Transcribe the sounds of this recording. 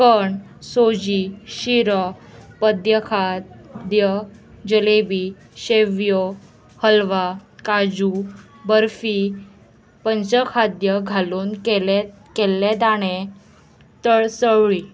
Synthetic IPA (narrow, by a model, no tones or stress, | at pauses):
kəɳ | sod͡ʑiɕiɾəpəd̪jəkʰad̪jə | d͡ʑəlebi | ɕeʋjo | həlʋakad͡ʑu | bəɾfi | pənt͡səkʰad̪jəɡʱaluːnkel | kelːẽt̪aɽ̃ẽ | t̪əɭsəʋɭi